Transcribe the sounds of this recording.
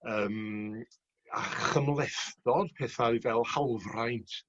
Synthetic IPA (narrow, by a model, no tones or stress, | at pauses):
əːm | a̰χəmlˠɛθdɔd̥pʰɛːθaivɛlˠhalˠvrajntʰ